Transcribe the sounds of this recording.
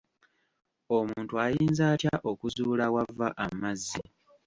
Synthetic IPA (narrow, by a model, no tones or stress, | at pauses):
o̞muːntuajiːnzaːtjaʔo̞kuzuːlawavːaʔamːazːi